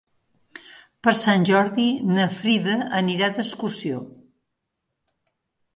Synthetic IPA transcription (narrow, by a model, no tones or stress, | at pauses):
pəɾsanʲʒɔɾðinəfɾiðəəniɾaðəskusio